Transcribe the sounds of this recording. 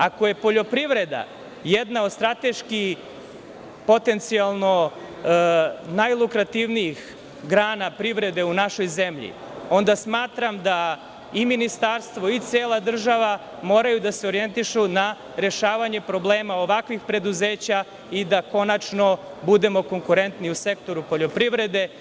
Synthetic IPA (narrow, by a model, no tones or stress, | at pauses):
ako̞je̞po̞ʎo̞pɾiʋɾe̞d̪a̰ | jed̪naod̪st̪ɾat̪e̞ʃki | po̞t̪e̞nt̪sialˠno̞ | najlˠukɾat̪iʋniix | ɡɾaːnapɾiʋɾe̞d̪e̞unaʃo̞jzemʎḭ | o̞nd̪asmaːt̪ɾamd̪a | iminist̪aɾst̪ʋo̞it̪seːlˠad̪r̩ʒaʋa | mo̞ːɾajud̪aseo̞ɾijent̪iʃuna | ɾe̞ʃaːʋaɲe̞pɾo̞ble̞ːmao̞ʋakʋixpɾe̞d̪uzeːt͡ɕa | id̪ako̞nat͡ʃno̞bud̪e̞mo̞ko̞ŋkuɾe̞nt̪niuse̞kt̪o̞ɾupo̞ʎo̞pɾiʋɾe̞d̪e̞